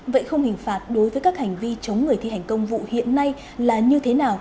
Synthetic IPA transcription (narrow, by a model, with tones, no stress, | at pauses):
və̰˧˨jxə˧wŋ͡mhï˨˩ŋ̟faː˨˩t̚ɗo˨˦jvəː˨˦jkaː˦˥k̚ha˨˩jŋ̟vi˧t͡ɕə˨˦wŋ͡mŋɨ˨˩əjt̪i˧ɦjŋ̟kə˧wŋ͡mvṵ˧˨hḭ˧˨ənːa˧j | laː˨˩ɲɨ˧t̪ʰe˨˦naː˨˩w